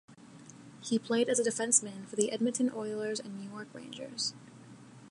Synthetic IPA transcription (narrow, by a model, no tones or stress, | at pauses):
hipʰl̥eɪɾɨzɨdɨfɛ̃nsmæ̃nfə˞ðiʔɛd̚mɨtʰɨ̃nʔɔɪlˠə˞zɨ̃nːʉjɔɹkɹḛ̃ɪ̃nd͡ʒə̰˞z̥